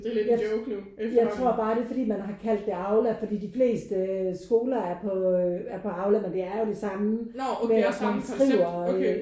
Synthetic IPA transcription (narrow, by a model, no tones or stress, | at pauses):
jɪkʰu | jɑ̈ɪt͡st͡sʰʁo̝ɐ̰b̥ɑ̈ːɾ̥e̝fɒ̽d̥ḭːmænɦɑ̈kʰæl̰d̥ːe̝ɑ̈ʊlæ̥fɒ̽d̥ḭːd̥ifle̝̰ːsd̥əsɡ̥o̝ːlɐæɐpʰɒæɐpʰɒ̽ɑ̈ʊlæmend̥e̝æɐjo̝d̥e̝sɑ̈məmeæsmænsʁiʊ̰ɐ